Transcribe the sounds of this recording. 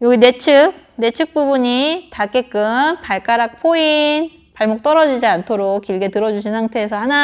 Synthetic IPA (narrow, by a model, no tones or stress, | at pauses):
joɡine̞t͡ɕʰɯk̚ | ne̞t͡ɕʰɯk̚p͈ubuɲitak͈e̞k͈ɯmpaɭk͈aɾak̚pʰoin | paɭmok̚t͈ʌɾʌd͡ʑid͡ʑiantʰoɾok̚k͈ːiɭɡe̞tɯɾʌd͡ʑuɕʰinsʰaŋtʰe̞ːs̬ʰʌhana